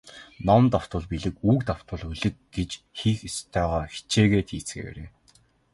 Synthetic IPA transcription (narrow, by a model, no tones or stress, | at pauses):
nɔmt̪aw̥t̪ʊ̆ɮpiɮɘ̆kuːkt̪aw̥t̪ʊ̆ɮuɮɘ̆t̪̚ɡ̥et͡ɕxiːxest̪ʰœːʁɔːxi̥t͡ɕʰeːɣeːt̪ʰiːt͡sɡḛːwḛɾḛː